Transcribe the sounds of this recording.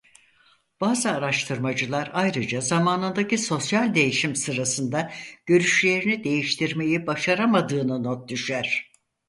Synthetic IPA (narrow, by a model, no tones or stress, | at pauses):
b̥aːzɯaɾaʃt̪ʰɯɾmad͡ʒɯlˠaɾajɾɯd͡ʒazamaːnɯnd̪aciso̞sjalʲd̪e̞jiʃimsɯɾasɯnd̪aɟ̥øɾyʃlʲe̞ɾinid̪e̞jiʃt̪ʰiɾme̞jibaʃaɾamad̪ɯːnɯnot̪̚d̪yʃæɾ̥